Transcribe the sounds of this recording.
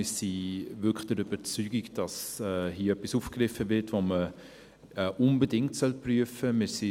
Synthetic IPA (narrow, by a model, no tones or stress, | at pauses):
ɪːsivʏkχd̥əɾyb̥əɾt͡syːɡikd̥ɑsɛːɦiəœpisuːfkrɪfəvɪtvomə | ɛʔʊnbədɪŋktsœlpryəfəmɪːsi